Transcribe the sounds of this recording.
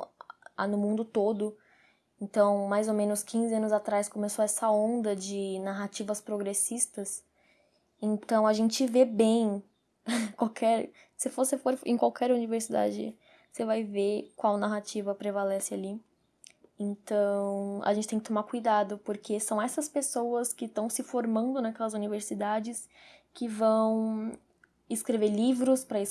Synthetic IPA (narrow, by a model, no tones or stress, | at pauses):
a̰nʊmũnd̪ʊt̪od̪ʊ | ẽnt̪ɐ̃w̃majzomẽnʊskʰĩzɪɐ̃nʊzat̪ɾajskõmesoɛsɐõnd̪ɐd͡ʒɪnaɦat͡ʃivɐspɾoɡɾesist̪ɐs | ẽnt̪ɐ̃w̃ɐʒẽnt͡ʃɪvebẽj̃ | kwawkʰɛɾ | sɪfosɪfoɾẽj̃kwawkʰɛɾuniveɾsid̪a̰d͡ʒɪ̰ | sevajvekwawnaɦat͡ʃivɐpɾevalɛsɪali | ẽnt̪ɐ̃w̃ɐ̰ʒẽt͡ʃɪt̪ẽj̃kɪt̪omakujd̪ad̪ʊpoɾkʰesɐ̃w̃ɛsɐspesowɐskɪt̪ɐ̃w̃sɪfoɾmɐ̃nd̪ʊnɐkɛlɐzuniveɾsid̪ad͡ʒɪs | kɪvɐ̃w̃ | ɪskɾeveɾlivɾʊspɾɐɪs